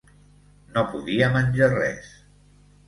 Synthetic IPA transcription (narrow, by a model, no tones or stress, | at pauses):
nopuðiəmənʲd͡ʒarɛ̰s